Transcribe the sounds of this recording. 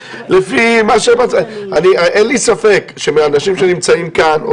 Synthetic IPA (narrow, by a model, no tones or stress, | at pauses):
lefimaʃemat͡saniaʔenlisafe̞kʃemianaʃimʃenimt͡saimkano